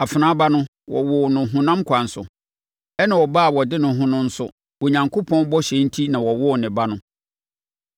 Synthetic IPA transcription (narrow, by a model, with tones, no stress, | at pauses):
a˨fɪ˨nã˦ba˦nʊ̃˦ | wɔ̰˨wɔ˨nʊ̃˨ɦũ˨nã˦mkʷʰa˨n̩˨sʊ̰˨ | ɛ˦nã˨wɔ˨baː˦˨wɔ˨dɪ˦nʊ̃˨˦ɦʊ̃˦nʊ̃˦n̩˦sʊ̰˦ | wo˨ɲã˨ŋkʰo˦pʰɔ̃˦n˦bɔ˦ɕɛ̃˨˦n̩˦tʰi˦nã˨wɔ˨wɔ˦˨nɪ̃˨ba˦nʊ̃˦